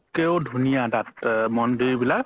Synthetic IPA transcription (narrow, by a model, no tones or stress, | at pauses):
keodʱunijadatmɔndejbilak